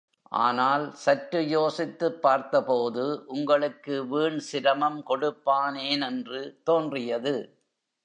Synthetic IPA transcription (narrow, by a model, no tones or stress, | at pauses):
ʔa̰ːnaːlsɐʈɾɯjoːsɪt̪ːɯpːaːɾt̪ɐpoːðɯʔʊŋɡɐɭɯkːɯʋiːɳsɪɾɐmɐmkɔɽɯpːaːneːnɛndrɯt̪oːndrɪjɐðɯ